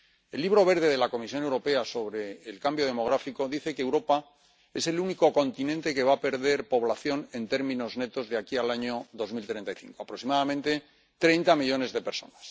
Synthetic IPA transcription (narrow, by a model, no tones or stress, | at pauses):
e̞lːiβ̞ɾo̞β̞e̞ɾðe̞ð̞e̞lako̞mis̬jo̞newɾo̞pe̞aso̞βɾe̞ːlkambjo̞ð̞e̞mo̞ɣ̞ɾafiko̞ðiθe̞keːwɾo̞pa | e̞se̞luniko̞ko̞nt̪inẽ̞nt̪e̞ke̞βape̞ɾðe̞ɾpo̞βlaθjo̞ne̞nt̪e̞ɾmĩno̞zne̞t̪o̞zðeakialaɲo̞ðo̞zmilt̪ɾe̞nt̪ajθḭŋkoapɾo̞ksimaðamẽ̞nt̪e̞ | t̪ɾe̞jnt̪amiʎo̞ne̞zðe̞peɾso̞nas